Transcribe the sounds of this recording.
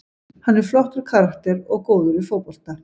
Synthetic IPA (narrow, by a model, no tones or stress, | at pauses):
hanːɛɾ̥flɔht̪ʏɾ̥kʰaɾakt̪ɛɾɔɣkoːwðʏɾɪfoːpɔl̥t̪a